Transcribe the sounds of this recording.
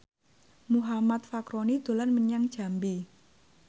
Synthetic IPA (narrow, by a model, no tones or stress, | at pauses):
muɦamat̪̚fakɾonid̪̥o̤lanməɲaŋd̥ʒ̥a̤mbi